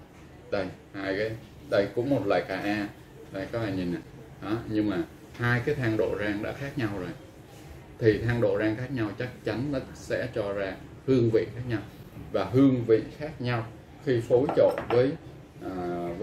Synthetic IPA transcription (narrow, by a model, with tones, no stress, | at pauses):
ɗə˧j | haː˧jkaː˨˦j | ɗə˧jkʊ̰˧˥ŋ͡mmo˨˩t̚lwa̰ː˧˨jkaː˧˩ʔaː˧ | za˨˩jkɔ˨˦aː˧˩ɲi˨˩na˨˩ | ɗɔ˨˦ɲɨ˧ŋmaː˨˩ | haː˧jkaː˨˦jt̪ʰaː˧ŋɗo̰˧˨zaː˧ŋɗa̰ː˧˥xaː˦˥k̚ɲa˧wzo˨˩j | t̪ʰi˨˩t̪ʰaː˧ŋɗo̰˧˨zaː˧ŋxaː˦˥k̚ɲa˧wt͡ɕa˦˥k̚t͡ɕa˨˦nla˧˩sɛ̰˧˥t͡ɕɔ˧zaː˧ | hɨ˧əŋvḭ˧˨xaː˦˥k̚ɲa˧wvaː˨˩ɦɨ˧əŋvḭ˧˨xaː˦˥k̚ɲa˧w | xi˧fo˨˦jt͡ɕo̰˧˨nvəː˨˦j | ʔaː˨˩v